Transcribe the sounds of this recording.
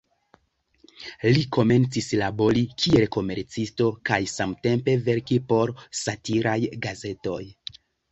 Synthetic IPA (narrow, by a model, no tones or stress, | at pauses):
liko̞me̞nt͡sislabo̞ɾikʰie̞lko̞me̞ɾt͡sisto̞kajsamte̞mpe̞ve̞ɾkipo̞ɾsatiɾajɡaze̞to̞j